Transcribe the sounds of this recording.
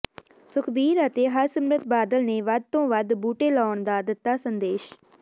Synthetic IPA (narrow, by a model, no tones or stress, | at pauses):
sʊkʰbiːɾət̪eːɦəɾsəmɾət̪baːd̪əlneːʋəd̪̚t̪õːʋəd̪buːʈeːlɔːɳd̪aːd̪ət̪ːaːsənd̪eːʃ